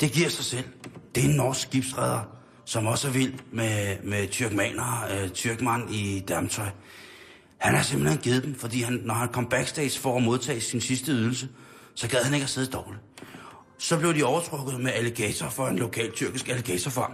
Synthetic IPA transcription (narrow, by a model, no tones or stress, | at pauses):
d̥e̝ɡ̥iɐ̰sɑ̈ɪsel̰d̥e̝enːɒːsɡɡ̥ib̥sʁað̞ˠɐ | sɒ̽mɒ̽sæɐʋil̰memet͡sʰyɐɡ̥mɛ̰ːnɐt͡sʰyɐɡ̥mænid̥æɐmət͡sʰɒ̽ɪ | hænæɐse̝mb̥en̩he̝nɡ̥ið̞̩ˠd̥emfɒ̽d̥ḭːhænːɒhænkʰɒ̽m̰b̥æɡ̥sd̥eɪsfɒæmo̝ðˠt͡sʰɛ̰ːsinsisd̥əyðˠl̩sə | sɒ̽ɡ̥ɛðˠhæne̝ɡ̥æse̝ð̞ˠd̥ɒʊli | sɒ̽b̥le̝ʊd̥iɒʊɐt͡sʰʁɔ̽ɡ̥ð̩ˠmeæleɡ̥ɛ̰ːt͡sʰɐfɒ̽e̝nlo̝kʰɛ̰ːlt͡sʰyɐɡ̥isɡ̥æleɡ̥ɛ̰ːt͡sʰɐfɑ̈